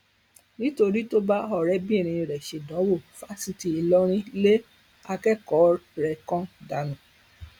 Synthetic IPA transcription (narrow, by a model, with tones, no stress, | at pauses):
nĩ˦to˧ɾi˦to˦ba˦ɔ˦˨ɾɛ˦bĩ˦e˦˨ɾ̃ĩ˨˧i˨ɾɛ˨ʃe˨dɔ̃˨˦wo˦˨fa˦si˧ti˧i˧lɔ˦ɾ̃ĩ˦le˦ | a˧kɛ˦kɔ˨˦ɾɛ˧kɔ̃˦da˨˦nũ˨˦